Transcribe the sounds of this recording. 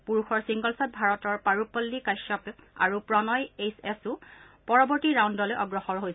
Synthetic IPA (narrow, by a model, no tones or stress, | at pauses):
puɹuxɔɹsiŋɡɔlsɔt̚bʱaɹɔtɔɹpaɹupɔlːikajsɔpa̰ɹupɹɔnɔjesɛsʊ | pɔɹɔbɔɹtiɹawndɔlojʔɔɡɹɔxɔɹɦojs